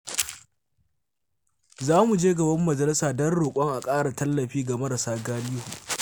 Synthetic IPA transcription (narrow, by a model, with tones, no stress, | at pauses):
zaː˦mu˨d͡ʒeː˦ɡɐ˨bɐ˦mːɐ˨d͡ʒɐ˨lɪ˦saː˨dɐ˦rɽoː˨kʷʼɔ˦ŋʔa˨kʼaː˦ɽa˨tɐ˦lːɐ˨ɸiː˦ɡa˨mɐ˦ɾɐ˨saː˦ɡaː˦liː˦hu˨